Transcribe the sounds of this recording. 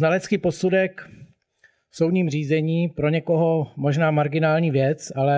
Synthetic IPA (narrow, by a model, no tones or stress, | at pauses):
nalɛt͡skiːpo̞sudɛk | fsowdɲiːmr̝iːzɛɲiːpɾo̞ɲɛkoɦomo̞ʒnaːmaɾɡɪnaːlɲiːvjɛt͡salɛ